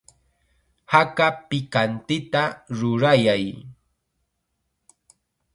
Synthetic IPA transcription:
hakapɪkant̪ɪt̪aɾʊɾajaj

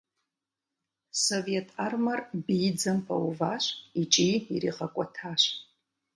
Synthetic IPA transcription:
sovetʰarmɐrbid͡zɐmpʰʼawuvaɕʷit͡ʃʼiirḭʁakʷʼɔtʰaʃʷ

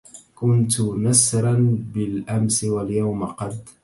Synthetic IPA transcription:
kʊnt̪ʊnasɾˤɑnbɪlʔamsɪwaljawmɪqɑd̪

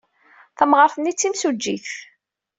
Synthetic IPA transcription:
θəmʁəɾfənːit͡sːimsud͡ʒːḭθ

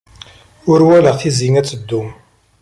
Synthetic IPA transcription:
ʊɾwæləʁθiziŋæt͡sːəd̪ːum

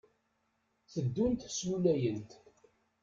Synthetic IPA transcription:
θəd̪ːunt̪slulæjənt̪

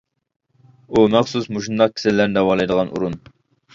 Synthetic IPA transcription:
umɛχsusmuʃund̪ɑq̚kʲʰi̥sɪlːæɾnd̪ɛwɑːlˠɑjd̪əʁɑnʔṵɾun

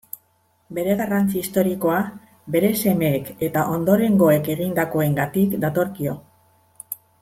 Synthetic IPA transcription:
be̞ɾe̞ɣ̞arant͡siist̪o̞ɾiko̞a | be̞ɾe̞se̞me̞ːke̞t̪aʔo̞nd̪o̞ɾe̞ŋɡo̞e̞ke̞ɣ̞ind̪ako̞e̞ŋɡat̪ikd̪at̪o̞ɾkio̞

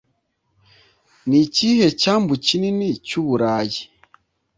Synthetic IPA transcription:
nicihecambucininicuβuɾaji

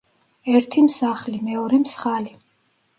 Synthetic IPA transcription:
ɛɾt̪ʰimsaχlimɛɔɾɛmsχali

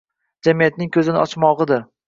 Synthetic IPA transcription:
d͡ʒamijat̪̚nɪŋkʲʰɵzɪnɪʔɒt͡ʃmɒʁɨd̪ɪɾ

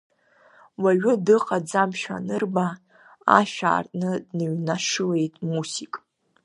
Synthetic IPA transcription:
waɥʊdɨqʼad͡zamʃᶣa̰nɨrba | a̰ʃᶣa̰ːrtʼnɨdnɨɥnaʂɨle̞jtʼmusikʼ

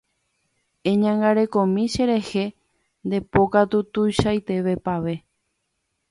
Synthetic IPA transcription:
ẽ̞ɲãŋɡaɾe̞kõ̞mĩʃe̞ɾe̞he̞ | nd̪e̞po̞kat̪ut̪ujʃajt̪e̞ʋe̞paʋe̞

